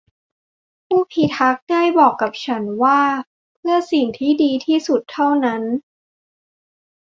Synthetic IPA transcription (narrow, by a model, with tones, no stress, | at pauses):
pʰuː˥˩pʰi˦˧˥t̪ʰa˦˥k̚daː˥˩jbɔː˨˩kːa˨˩p̚t͡ɕʰa˦˥nwaː˥˩ | pʰɯ˥˩əsi˨˩ŋt̪ʰiː˥˩diː˧t̪ʰiː˥˩su˨˩t̪ʰːa˥˩wna˦˥n